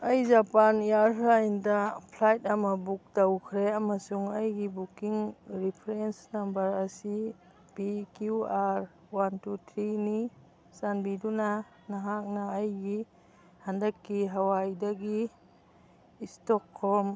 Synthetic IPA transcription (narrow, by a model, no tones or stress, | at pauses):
ɐjzapanjaɾajndapʰlajt̚amɐbuk̚tawkʰɾeamasuŋɐjɡibukiŋɾipʰɾensnambɐɾɐsi | pikuaɾ | wantutʰɾini | sanbiduna | naɦak̚naːjɡi | handɐkːiɦawajdaɡi | stɔkʰːɔm